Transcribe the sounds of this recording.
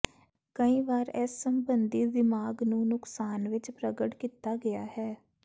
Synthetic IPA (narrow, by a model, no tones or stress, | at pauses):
kəĩːʋaːɾɛsːəmbənd̪iːd̪ɪmaːɡnũːnʊksaːnʋɪt͡ʃpɾəɡəʈkiːt̪aːɡɪja̰ːhɛː